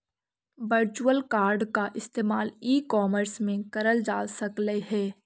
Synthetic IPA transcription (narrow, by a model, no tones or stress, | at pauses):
ʋəɾt͡ʃuəlkaːɾɖkaʔɪst̪eːmaːliːkɔːməɾsmẽkɐɾəld͡ʒaːsɐkleɦɛː